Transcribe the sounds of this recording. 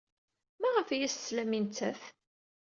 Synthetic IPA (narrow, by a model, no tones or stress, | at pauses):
mæʁəfjæsːlæmint͡sːæθ